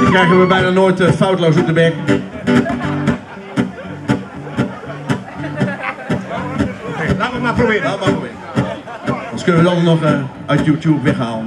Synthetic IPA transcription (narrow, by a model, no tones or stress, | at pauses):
ɪknɛkdɔtʋəbɛjnaːnoːjtəfawtlowsɔp̚dəbɛk | okejlaːʋəmaːprobɪːəaəmaːprobɪːə | ɔnskɵnəʋədɑnənɔχə | œɥtjuːtjupʋɛχɦaːlən